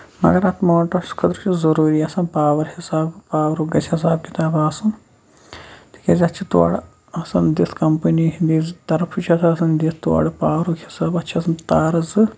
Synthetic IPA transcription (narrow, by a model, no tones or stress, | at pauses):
mɐ̰ɡɐɾɐt̪ʰmoːʈɐɾskʰɐd̪ɾt͡ʃʰizɐɾuːɾiːɐsɐnpaːʋɐɾhisaːbpaːʋɐɾuɡɐsʲhis̬aːb̚kit̪aːbaːsɐn | t̪ʰi̥kʲezʲɐt͡ʃʰit̪wa̰ːɽ | ɐsɐnd̪it̪kɐmpɐniɦind̪iːzt̪ɐɾfʰut͡ʃʰɐt̪ʰɐɐsɐnd̪it̪ʰt̪wa̰ɽɨpaːʋɾukʰhisaːbɐtːt͡ʃʰiɐsɐnt̪aːɾɐzɨ